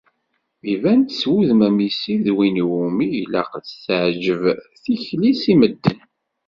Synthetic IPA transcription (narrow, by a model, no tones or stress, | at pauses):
ivænt̪swuðmæmisiðwinumijlæ̰qsʕd͡ʒəvθiçlisiməd̪ːən